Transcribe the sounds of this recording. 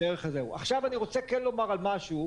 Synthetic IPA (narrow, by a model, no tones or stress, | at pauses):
eʁeχazeuʔa̰χʃavaniʁo̞t͡sekenlo̞maʁalmaʃu